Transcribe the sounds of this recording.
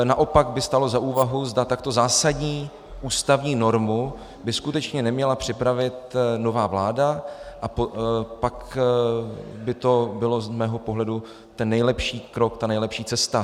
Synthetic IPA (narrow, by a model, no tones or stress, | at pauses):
naʔopaɡbɪst̪alo̞zaʔuːvaɦuzdat̪ak̚t̪o̞zaːsadɲiː | ʔuːst̪avɲiːno̞ɾmu | bɪskut̪ɛt͡ʃɲɛnɛmɲɛlapr̥ɪpɾavɪt̪no̞vaːvlaːdaʔapopak | bɪt̪o̞bɪlo̞zmɛːɦo̞po̞ɦlɛdu | t̪ɛnːɛjlɛpʃiːkɾo̞kt̪anɛjlɛpʃiːt͡sɛst̪a